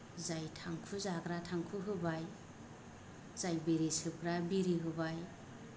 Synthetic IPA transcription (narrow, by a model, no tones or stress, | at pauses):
zajtʰaŋkʰuzakɾatʰaŋkʰuɦɯbaj | z̥ajbiɾisɯp̚ɾabiɾiɦɯbaj